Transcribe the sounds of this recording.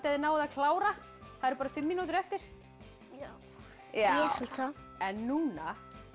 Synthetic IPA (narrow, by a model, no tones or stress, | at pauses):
t̪aðɪnaːwaðakʰlaːwɾa | θaðɛɾpaːɾafɪmːinuːt̪̬ʏɾɛft̪ɪɾ̥ | ja | jaɛklsa | ɛnːuːna